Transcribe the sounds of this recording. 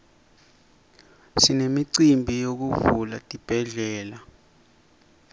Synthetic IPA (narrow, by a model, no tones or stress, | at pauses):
sinemiǀimbʱijok̬uvula̰tʼib̥ʱɛɮɛːla